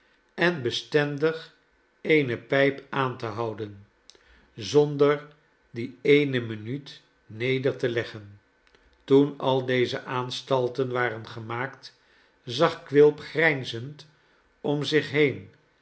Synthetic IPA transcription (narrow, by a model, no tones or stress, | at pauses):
ɛnbəstɛndəχ | ejnəpɛjpaːntəɦɑwdən | zɔndəɹ | diejnəmənyt | nejdəɹtəlɛχən | tunɑlˠdejzəʔaːnstɑlˠtənʋaːrənχəmaːkt | zɑχkʋɪlˠpχrɛjnzənt | ɔmzɪχɦejn